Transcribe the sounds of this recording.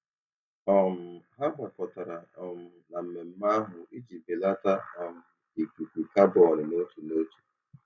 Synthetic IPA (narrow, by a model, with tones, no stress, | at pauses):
ɔ˨m̩˨ɦa˦ba˨kɔ˨ta˨ɾa˨ɔ˨m̩˨na˨m̩˨me˨m̩˦ma˦ɦʊ˨ʔi˦d͡ʒi˨be˨la˦ta˦a˨m̩˨ | i˨ku˨ku˨ka˦bɔ˨ɾɪ˨no˦t͡ʃu˨no˦t͡ʃu̥˨